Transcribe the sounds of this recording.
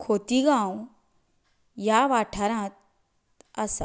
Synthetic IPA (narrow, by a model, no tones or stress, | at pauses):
kʰot̪iɡãw | jaʋaʈʰaɾãt̪ | əsa